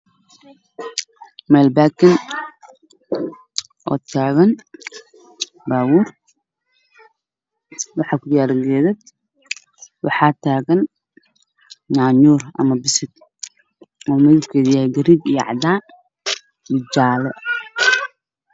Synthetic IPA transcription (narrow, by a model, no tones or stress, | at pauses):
mɛːlbaːkɐn | ʔɔ̰ːt̪ʰaːɣɐn | baːwur | wɑħɑːkʰʊjaːɾɐŋɡɛːðɛd̪ | wɑ̰ħɑːt̪ʰaːɣɐn | ɲaːɲuːrɐ̰mɐbɪsɪd̪ | ɔːmɐðɪbkʰɛːðɪjɐhɛjɡɐɾiːbijʕɑ̰d̪aː | mɪd͡ʒaːlɛ